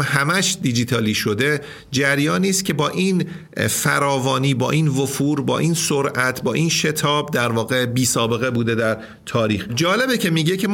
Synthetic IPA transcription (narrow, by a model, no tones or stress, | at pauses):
hæmæʃd̪id͡ʒit̪ʰɒːliːʃo̞d̪e̞ | d͡ʒæɾjɒːniːscʲʰe̞bɒːʔiːn | fæɾɒːvɒːniːbɒ̰ːʔinvofuːɾbɒ̰ːʔiːnsoɾʔæt̪ʰbɒːʔiːnʃe̞t̪ʰɒːb̚d̪æɾvɒːɣe̞biːsɒːbe̞ɣe̞buːd̪e̞d̪æɾ | t̪ʰɒːɾiːxd͡ʒɒːle̞becʰe̞miːɟecʰe̞